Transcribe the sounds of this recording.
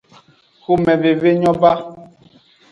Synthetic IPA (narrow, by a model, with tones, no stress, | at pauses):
xo˦mɛ˨ve˨ve˦ɲɔ̃˦ba˦